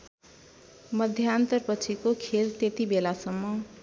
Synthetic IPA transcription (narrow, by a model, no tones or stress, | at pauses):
mʌd̪ʱjant̪ʌrpʌt͡sʰikokʰelt̪et̪ibelasʌmːʌ